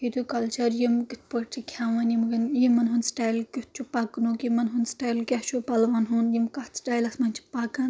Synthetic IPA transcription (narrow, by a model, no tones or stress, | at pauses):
id̪ukɐlt͡ʃɐɾjimɡit̪̚ʰpəɾt͡ʃʰikʲʰaːʋanjimɡɐnjimɐnɦunsʈaːjlkʲut̪̚ʰt͡ʃʰupaknukimɐnɦunsʈaːjlkʲat͡ʃopɐlʋanɦunjimkat̪sʈaːjlɐsmɐnt͡ʃʰi̥pakɐn